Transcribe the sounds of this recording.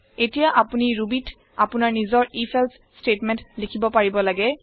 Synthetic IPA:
etijaʔapuniɹubit | apʊnaɹnizɔɹipʰɛls | stetmɛntlikʰibɔpaɹibɔlaɡɛ

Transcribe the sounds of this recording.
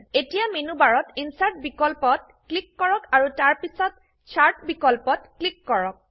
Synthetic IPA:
etijaminubaɹɔtinsaɹt̚bikɔlpɔt̚ | klikːɔɹɔkaɹutaɹpisɔt | t͡ʃʰaɹtbikɔlpɔtklikːɔɹɔk̚

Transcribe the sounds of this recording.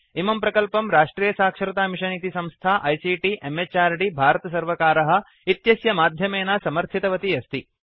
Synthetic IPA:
imɐmpɾɐkɐlpɐmɾaːʂʈɾiːjɐsaːkʂɐɾɐt̪aːmiʂɐnit̪isɐmst̪ʰaːʔɐjsiːʈiʔemet͡ʃaːɾɖibʱaːɾɐt̪ɐs̬ɐɾʋɐkaːɾɐɦɐ̆ | it̪jɐsjɐmaːd̪ʱjɐmeːnaːsɐmɐɾt̪ʰit̪ɐʋɐt̪iɐst̪i

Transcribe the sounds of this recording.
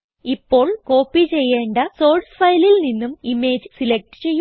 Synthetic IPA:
ipːo̞ːɭko̞ːpːit͡ɕe̞jːe̞ːɳɖɐso̞ːɭsfɐjlilninːumime̞ːd͡ʑɨsilek̚ʈɨ̥t͡ɕe̞jːu

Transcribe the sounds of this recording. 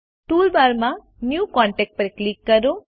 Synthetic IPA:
ʈuːlbaːɾma | njuːkaːɳʈek̚ʈ̚pɐɾiklikːɐɾu

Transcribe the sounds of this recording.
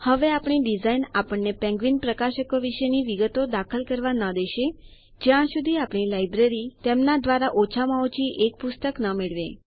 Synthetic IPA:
həʋeapɽ̃iɖizainapəɳːepɛ̃ŋɡʋinpɾəkaʃəkoʋiʃəniʋiɡət̪od̪akʰəlkəɾʋanəd̪eʃe | d͡ʒjãʃud̪ʱiapɽ̃ilajbɾeɾit̪emnad̪ʋaɾaʔot͡ʃʰamaot͡ɕiʔek̚pust̪əknəmiɭʋe

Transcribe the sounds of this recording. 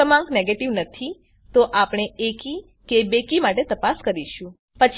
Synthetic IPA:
əmãŋɡneɡeʈiʋnət̪ʰi | t̪oʔapɳ̃eeki | kebekimaʈet̪əpaskəɾiʃũ | pət͡ʃʰ

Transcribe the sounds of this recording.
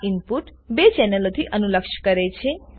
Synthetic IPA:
inpuʈbet͡senelot̪ʰiʔʌnulʌkʃʰkʌɾet͡sʰĩ

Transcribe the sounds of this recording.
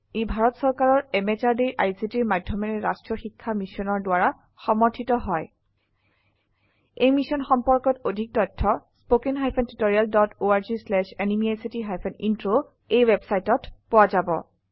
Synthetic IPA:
ejbʱaɹɔtsɔɹkaɹɔɹɛmet͡ʃaɹdiʔajsitiɹmadʱːɔmɛnɛɹa̰stɹɔxikʰːamisɔnɔɹdʊwaɹa | xɔmɔɹtʰitɔɦɔj | ejmisɔnxɔmpɔɹkɔtodʱik̚tɔjtʰːɔspokenɦajpʰɛntutoɹialdɔtoaɹzislɛʃenimiajsitiɦajpʰɛnintɹo | ejwebsajtɔtpʊwazabɔ̰

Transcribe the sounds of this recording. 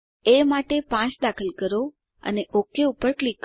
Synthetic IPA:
emaʈepãt͡ʃd̪akʰəlkəɾo | ə̰neʔokeupːəɾklikː

